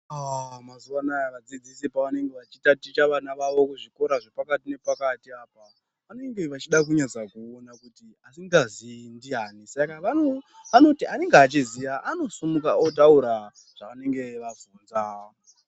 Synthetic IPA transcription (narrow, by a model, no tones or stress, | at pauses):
amazuʋanajakad͡zid͡zisipaʋane̞ŋɡe̞ʋat͡ʃitatit͡ʃaʋanaʋaʋo̞kuʐiko̞ɾaʐepakatine̞pakatiaːpa | ʋane̞ŋɡe̞ʋat͡ʃiɗak̬uɲad͡zakuonakuti | asiŋɡazindiɦaːnisakaʋano | ʋano̞tiane̞ŋɡeat͡ʃizijaʔano̞sumukaotauɾa | ʐ̥aʋane̞ŋɡe̞ʋavuːnza